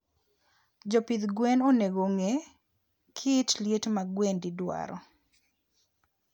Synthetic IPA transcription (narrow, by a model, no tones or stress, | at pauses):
d͡ʒɔpid̪ɡwɛnoneɡoŋe | kʰɪtljetmaɡwendidwa̰ɾɔ̰